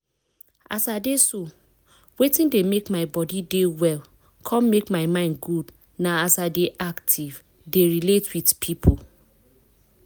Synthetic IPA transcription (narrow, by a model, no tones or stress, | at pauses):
a̰sadeso | wetĩndemekmaɪbɔdidewɛl | kʰɔ̃nmekmaɪmãɪ̃nd̚ɡud | naasadeʔaktʰiv | deɹiletʰwidpʰipʰo